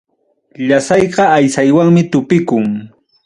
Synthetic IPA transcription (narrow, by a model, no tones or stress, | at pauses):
ʎasɑjɢɑajsajwaŋmɪt̪ʊpɪkʊŋ